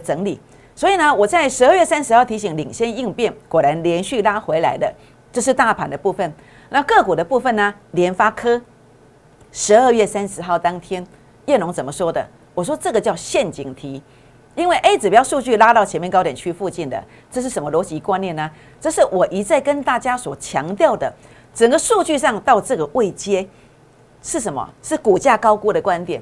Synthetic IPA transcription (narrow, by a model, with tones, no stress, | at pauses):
ʈ͡ʂə˧˥ŋli˨˩˦ | swɔ˧˥i˨˩nə˦wɔ˨˩t͡sa˥˩ɪʂɻ̩˧˥əː˥˧ɥɛ˥˩sa˥˦˥nʂɻ̩˧˥xɑ˥˩ʊt̪ʰi˧˥ɕi˨˦ŋli˨˩ŋɕjɛ˥ni˥˧ŋpjɛ˥˩nkwɔ˨˩ɾa˧˦nljɛ˧˦˥nɕy˥˩la˥xwe˧˥ɪla̰˧˥ɪd̪ə˧ | ʈ͡ʂɤ˥˧ʂ̬̩˥˧t̪a˥˩pʰa˨˥nd̪ə˨pu˥˧fə˥˩n | na˥˧kɤ˥˧kwɔ˨˩d̪ə˦pu˥˧fə˥˨˩nːə˩ljɛ˧˥nfa˥kʰɤ˥ | ʂɻ̩˧˥ə˞˥˧ɥɛ˥˩sa˥nʂɻ̩˧˥xɑ˥˩ʊt̪ɑ˥ŋt̪ʰjɛ˥n | jɛ˥˩nʊ˧˥ŋt͡sə˨˩nmə˦ʂwɔ˥d̪ə̰˨ | wɔ˨˩ʂwɔ˥ʈ͡ʂɤ˥˩ɡə˩t͡ɕjɑ˥˧ʊɕjɛ˥˧nt͡ɕi˨˩ŋt̪ʰi˨˥˦ | i˦˥nwe˥˩ɪʔe˥ɪt͡sɻ̩˨˩pu˧˩jɑ˥˧ʊʂu˥˧t͡ɕy˥˧la˥t̪ɑ˥˩ʊt͡ɕʰɛ˧˦nmjɛ˥˨nkɑ˥ʊɾjɛ˨˩nt͡ɕʰy˥˧fu˥˧t͡ɕi˥˩nd̪ə̰˩ | ʈ͡ʂɤ˥˧ʂ̬ɻ̩˥˩ʂə˧˦nmə˧lwɔ˧˥t͡ɕi˧˥kwa˥nːjɛ˥˩nːə˩ | t͡sɤ˥˧ʂɻ̩˥˩wɔ˨˩ʔi˧˥t͡sa˥˩ɪkə˦nt̪a˥˨t͡ɕja˥swɔ˨˩t͡ɕʰjɑ̰˧˦˥ŋt̪jɑ˥˨˩ʊd̪ə˩ | t͡sə˨˩ŋɡə˦su˥˧t͡ɕy˥˧ʂɑ˥˧ŋt̪ɑ˥˧ʊʈ͡ʂɤ˥˩ɡə˩ʔwe˥˩ɪt͡ɕjɛ˥ | ʂɻ̩˥˩ʂ̬ə˧˦nmɐ̰˨ʂɻ̩˥˩ku˨˩t͡ɕja˥˩kɑ˥ʊku˥ɾə˨kwa˦nt̪jɛ˨˩n